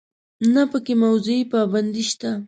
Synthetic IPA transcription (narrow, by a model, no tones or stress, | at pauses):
napakɪmawzɪjpaband̪ɪʃt̪a